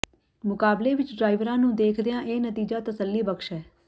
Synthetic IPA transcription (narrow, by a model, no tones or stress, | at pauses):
mʊkaːbleːʋɪt͡ʃɖɾaːɪʋɾãːnũːd̪eːkʰd̪ɪjãːʔeːnət̪iːd͡ʒaːt̪əsəlːiːbəkʃɛː